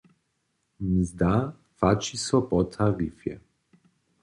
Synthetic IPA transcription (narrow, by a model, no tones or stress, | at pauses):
mzd̪a | fat͡ʃisɔpɔt̪ʰaɾifjɛ̰